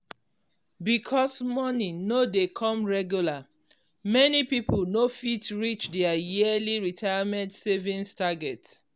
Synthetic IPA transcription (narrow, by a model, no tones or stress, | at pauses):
bikʰɔsmɔnĩnodekʰɔ̃mɹɛɡjula | mɛnipipolnofitɹit͡ʃdɛajiəliɹitʰajamɛ̃ntsevĩnstaɡɛts